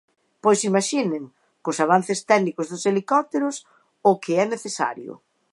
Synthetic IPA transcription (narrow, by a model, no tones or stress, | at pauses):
pojsimaʃineŋ | kʊsaβ̞an̟θɪst̪ɛɣnikʊzðʊselikɔt̪eɾʊs | ʊkʰɪɛneθesa̰ɾjʊ̰